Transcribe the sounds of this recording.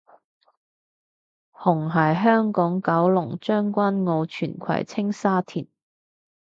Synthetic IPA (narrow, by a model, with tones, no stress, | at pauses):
hʊ˨˩ŋɦɐː˨˩jɦœː˥ŋkɔː˨˥ŋkɐ˨˥wlʊ˨˩ŋt͡ʃœː˥ŋkʷa˥nŋo˨˧wt͡ʃʰyː˨˩nkʷʰɐ̰˨˩jt͡sʰɪ˥ŋsaː˥t̪ʰiː˨˩n